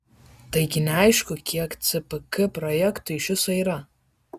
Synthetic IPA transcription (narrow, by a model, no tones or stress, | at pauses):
t̪ɐɪɡʲɪnʲɛɐɪʃkʊkʲiɛkt̪sʲɨpɨkɨpɾɔjɛkt̪ʊɪʃʲɪsɐiːɾɐ